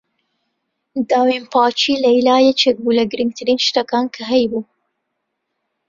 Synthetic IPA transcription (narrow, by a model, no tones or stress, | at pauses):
d̪ɑwempɑt͡ʃilailɑjet͡ʃek̚bulaɡɾiŋ̚t̪ʰaɾinʃt̪akɑnkʰaɦajbu